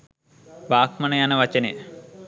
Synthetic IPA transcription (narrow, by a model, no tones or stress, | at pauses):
baːkmɐnɐjanɐʋɐt͡ʃɐne